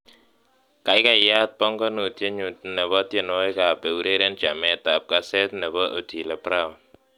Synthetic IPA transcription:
ka˨˦jka˨ja˦t̪̚pɔ˦ŋkɔ˦nu˨tje˦ɲu˨t̚nɛ˨bɔ˦tje˨nɔ˦jka˨pɛ˨u˦ɾe˦ɾe˦nt͡ʃa˨mɛ˨ta˨p̚ka˦sɛ˦tnɛ˨bɔ˦ʔo˨ti˨la˨pɾa˦˨w

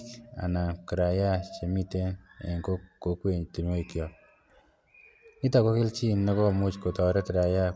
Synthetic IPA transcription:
a̰˨na˨ki˨ɾa˨ja˦t͡ʃe˨mi˦te˦nḛ˨ŋko˦ko˨˦kwe˨ɲti˨nwo˦i˨kjɔ˨ | i˦tɔ˨ko˦kɪ˦lt͡ʃi˦nnɔ˦kɔ˦˨mu˦t͡ʃko˨tɔ˨ɾɛ˦tɪ˨ɾa˨ja˦

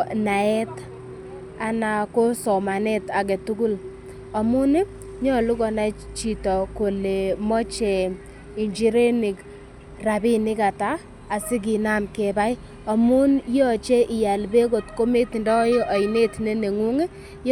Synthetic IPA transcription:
na˨ɛ˦t | a˨na˨ko˦sɔ˨ma˨ne˦ta˨kɛ˨tu˦ku˦l | ɔ˨mu˦n˦ | ɲɔ˦lu˦kɔ˨na˦t͡ʃi˨tɔ˨ko˨le˨mɔ˦t͡ʃɛ˨ | i˨ɲd͡ʒi˦ɾe˦ni˨k | ra˨bi˦nɪ˦ka˨taː˦˨ | sɪ˦k̬i˨na˦mke˨ba˦j | ɔ˨mu˦njɔ˦˨t͡ʃe˦ʔɪ˨ja˨lbe˦ko˨tko˦me˦ti˨ndɔ˦jo˦ʔa˨i˨ne˦tne˦ne˨ŋu˦ŋe˦ | j

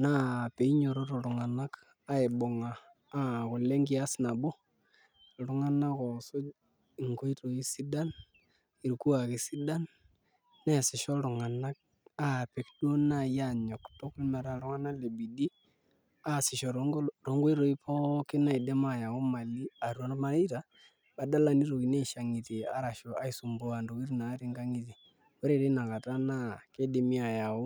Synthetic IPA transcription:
na˦pe˨i˦ɲo˨ɾo˦ɾo˨ɾʊ˨ŋa˨na˦k | a˦ɪ˨bo˨ŋaː˨˦ | kʊ˨le˦ŋɡi˦a˦sna˨bo˦˨ | ɾʊ˦ŋa˦na˦kɔ˨so˦˨ | ŋko˦i˦to˨i˦si˦da˦n | i˨ɾku˦a˨kɪ˨si˦da˦nː | ɛ˦˨sɪ˨ʃɔ˦ɾʊ˨ŋa˨na˦k̚ | a˦pe˨kdo˦na˦˨ja˦˨ɲɔ˨ktɔ˦klma˨ɾa˨ɾʊ˦ŋa˦na˦le˨bi˨di˦ | a˦˨sɪ˨ʃɔ˨ɾɾo˨ŋɡo˦i˦ɾo˨˦i˦pʰɔ˦kɪ˦na˦i˨dɛ˦ma˦˨ja˨o˦ma˨li˦a˨ɾu˦o˨˦n˦ma˨˦i˦ta˨ | ba˨da˦la˦ni˦ɾo˨ki˨ne˦˨ʃa˨ŋi˨ti˨a̰˨˦ɾa˨ʃɔ˨a˦i˨su˨mbo˦a˨ndo˨ki˦ɾna˨˦ɾi˦ŋɡa˦ŋi˨t̬i˨ | wɔ˦ɾe˨de˦na˨ka˨ta˦na˦ke˦de˨mi˦a˨ja˨ʊ˦

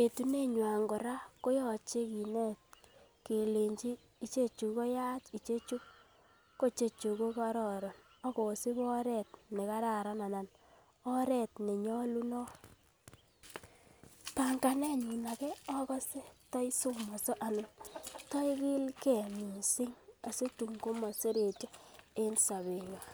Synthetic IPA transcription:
e˨tu˦ne˦ɲwa˨ŋɡo˨ɾa˦ko˦jɔ˨t͡ʃe˦ki˨ne˦t̚ke˨le˨ɲt͡ʃiː˦ | t͡ʃe˦t͡ʃu˨ko˦ja˦t͡ʃi˨t͡ʃe˦t͡ʃu˦ | ko˦t͡ʃe˨t͡ʃu˨ko˦ka˦ɾɔ˨ɾo˨n | ɔ˦ko˨si˦bɔ˦ɾɛ˦˨t̚ne˨ka˦ɾa˨ɾa˦na˨na˨n | ɔ˦ɾɛ˦˨tni˨ɲɔ˦lu˦nɔ˦ | ta˨ŋka˨nɛ˦ɲi˨na˨kɛ˦ɔ˦kɔ˦se˦tɔ˦i˦so˦mɔ˨so˦ʔa˨nʊ˨tɔ˦i˦ki˦lke˨mu˨si˦ŋa˨se˦tu˨ŋɡo˦mɔ˨se˦ɾe˨te˦e˦nsa˨βe˨ɲo˨

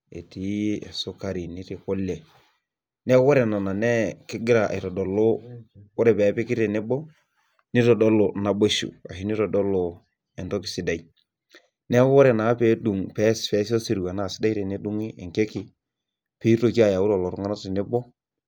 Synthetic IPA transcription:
ḛ˨tḭ˨so˦ka˨ɾi˨nɪ˦tɪ˨kɔ˦lɛ˨ | nɛ˦wɔ˦ɾɛ˨nɔ˨na˨nɛ˦kɪ˦ɡɪ˦ɾa̰˨i˨tɔ˨dɔ˨lo˦wɔ˦ɾɛ˨pɛ˨˦pɪ˦kɪ˦te˨nɪ˦bɔ˦ | nɪ˦tɔ˨dɔ˦lo˨na˨bo˦ʃṵ˨a̰˨hi˦nɪ˦ɾɔ˨dɔ˦lɔ˨ | ɛ˨ntɔ˦kɪ˨sɪ˨da˨i˦ | nɛ˦wɔ˦ɾɛ˨na˨˦pe˦du˨ŋpɛ˦sfɛ˦si˦ɔ˦si˨ɾu˨wa˨na˨sɪ˦da˦ɾe˨ne˦du˦ŋi˦ɛ̰˨ŋke˦ki˦ | pe˦to˦˨ki˦a˦˨ja˨u˦ɾɔ˨lɔ˨ɾu˦ŋa˦na˦ti˨nɪ˦bɔ˦

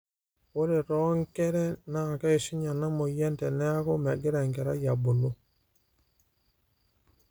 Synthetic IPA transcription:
o˦ɾe˨ɾɔ˦ŋkɛ˦ɾɛ˦na˦˨kɛ˦e˨ʃi˦ɲa˨na˦mo˨jɛ˦ntɛ˨nɛ˦a˦ko˦mɛ˨ɡe˦ɾɛ˨ŋɡɛ˨ɾa˦ja˨bo˨lo˦

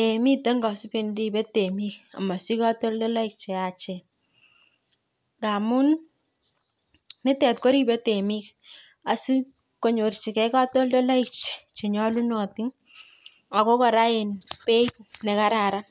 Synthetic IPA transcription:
e˨mi˦te˦ŋɡa˨si˦pe˦ndi˨be˦te˨mi˦ka̰˨ma˨si˦ka˦to˦ldɔ˦la˦ik̚t͡ʃe˨a˨t͡ʃɛ˨ | ɡa˨mʊ˦n | nɪ˦tɛ˨tko˦ɾi˦be˦te˨mi˦k̚ | a˨si˦ | ko˨ɲo˨rt͡ʃi˨kɛ˦ka˦to˦ldo˦la˦i˦k̚t͡ʃe̥˨t͡ʃe˨ɲɔ˦lu˦nɔ˨ti˦ŋ | a˨ko˦kɔ˨ɾa˦e˨npe˦knɛ˨ka˦ɾa˨ɾa˦n

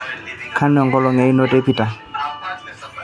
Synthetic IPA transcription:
kʰa˦nɔ˨ŋɡɔ˦lɔ˨ŋa˨i˦nɔ˦te˦pi˨ta˨

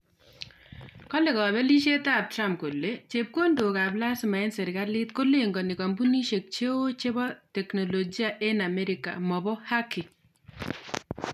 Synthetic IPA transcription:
kɔ˦le˨kɔ˨bɛ˦li˦ʃe˦ta˦˨p̚tɾa˦mp̚ko˨lːe˦t͡ʃe˨p̚ko˦ndo˨ka˨bla˦sɪ˨ma˨ɪ˦nsɛ˨ɾka˦lɪ˦t̪ko˦le˦ŋɡɔ˨nɪ˨ka˨mbu˦ni˦ʃe˨k̚t͡ʃe˦wo˦t͡ʃe˦bɔ˦tɛ˨kno˨lo˨ɡi˦a˦ʔe˦na˨mɛ˦ɾɪ˦ka̰˨mɔ˨bɔ˦ha˦kɪ˨

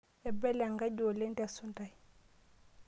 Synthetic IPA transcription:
ɛ˨bɛ˦lɛa˨ŋɡa˦ɟo˨le˦nda˨su˦nta˨j

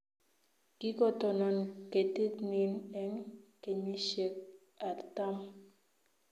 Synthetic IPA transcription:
ki˦kɔ˨tɔ˨nɔ˨nke˨ti˦tni˦nɛ˦ŋke˨ɲi˦ʃe˨k̚ | a˨ta˦m

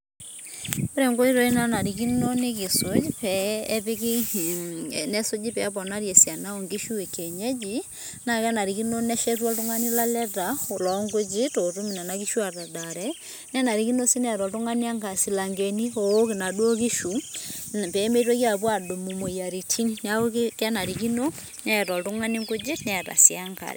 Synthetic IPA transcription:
be˦ɾɛ˨ŋɡo˦i˦ɾo˨˦i˦na˦na˨ɾi˨ki˦no˦ne˦ki˨so˨˦d͡ʒpɛ˦ði˦ki˦ | nɛ˦so˦d͡ʒi˦pɛ˨˦pɔ˨na˦ɾjɛ˨sja˨na˦o˨ŋɡi˦ʃu˦e˨ke˨ɲɛ˦d͡ʒi˦ | na˨kɛ˦na˨ɾi˨ki˦no˦nɛ˦ʃɛ˦twɔ˦lto˦ŋa˦ni˦la˦lɛ˦ta˨o˨lɔ˨˦ŋɡo˦d͡ʒi˦to˨tu˦mi˨na˨na˨ki˦ʃu˦a˨ta˨da˨ɾɛ˦ | nɛ˦na˨ɾi˨˦ki˦no˦si˦nɛ˨ɾɔ˨lto˦ŋa˦ni˦a˦ŋɡa˨si˨la˨ŋɡe˨ni˦o˨˦ke˨na˨dwo˦ki˦ʃu˨ | pɛ˨˦me˦twe˦ki˦a˨pwa˨do˨mu˨mo˨i˨a˨ɾi˨tʰi˦ni˦na˦o˦kka˦na˨ɾi˨ki˦no˦ | nɛ˦˨tɔ˨ltu˦ŋa˦ni˦ŋɡo˦d͡ʒi˦tnɛ˦˨ta̰˨sja˦ŋka̰˨ɾɛ̰˨

